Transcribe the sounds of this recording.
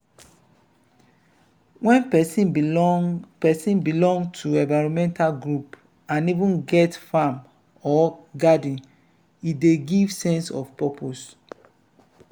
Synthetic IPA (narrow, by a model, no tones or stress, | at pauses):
wɛ̃npɛsĩ | pɛsĩnbilɔ̃ŋɡtʰuɛ̃ɱvaɪɹɔ̃mɛ̃ntʰalɡɹup | ãnivũnɡɛtfãm | ɔɡadĩn | ideɡivsɛ̃nsɔfpɛpʰos